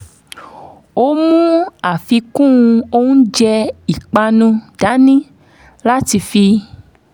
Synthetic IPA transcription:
o˦mũ˦a˨fi˧kũ˦˨˧o˦ũ˦d͡ʒɛ˧i˨k͡pa˧nũ˧d̥a˨˦nĩ˦ | la˦ti˧fi˧

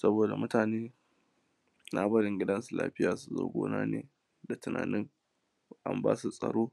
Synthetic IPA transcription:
sɐ˦boː˨da˨mʊ˦taː˨neː˦ | na˦bɐ˦ɽɪ˨ŋɡʲɪ˦dɐ˦nsu˨la̰ː˦ɸɪ˦jaː˨su˨zo̰ː˦ɡʷo̰ː˦naː˦neː˨ | da˨tʊ˨na̰ː˨nɪ˦ŋ | ʔa̰˦mba̰ː˦su˨sʼɐ̰˨ɽoː˦

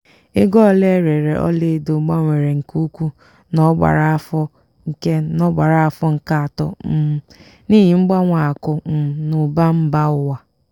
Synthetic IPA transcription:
e˦ɡɔ˦le˦ɾe˨ɾe˨ʔɔ̰˦le˦˨do˨˦ɡ͡ba˦ŋʷe˨ɾe˨ŋ̩˨ku˦kʷu˦ | nɔ˦ɡ͡ba̰˨ɾa˨a˦fɔ˦ | ŋ̩˨ke˦nɔ˦ɡ͡ba˨ɾa˨a˦fɔ˦ŋ̩˦ka˦a˨tɔ̰˨m̩˦˨ | ni˦ɦi˨ŋ͡m̩˦ɡ͡ba˦ŋʷa˨a˨kʊ˦m̩˨nʊ˨ba˦m̩˦ba˦ʊ˦wa˨

